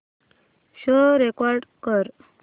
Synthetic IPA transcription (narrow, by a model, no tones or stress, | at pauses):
ɕəɾekɔɾɖkəɾ